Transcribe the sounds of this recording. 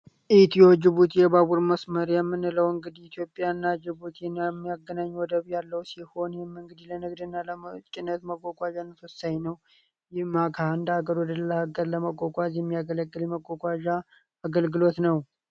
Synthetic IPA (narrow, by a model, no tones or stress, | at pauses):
ʔit̪ʰiod͡ʒɪβut̪ʰjɛβaβuɾməsməɾjɛmːɨnɨləwɨŋɡɨd̪iit̪ʰjo̞pʼːjanːad͡ʒɪβut̪ʰɛnmːijaɡːənaɲːwɔd̪əβjalːəwsiho̞njɛmːɨŋɡɨd̪ilənɨɡd̪ɨnːalət͡ʃʼɪnːət̪məkʼːokʼʷaʒanːəsɔsajnəw | jɪmaɡʰaɨnd̪əaɡəɾwɔd̪ələləhaɡəɾləməkʼːokʼazjɛmːijaɡələɡːɨljɛməkʼːokʼaʒaː | ɡəlɡɨlo̞t̪nəw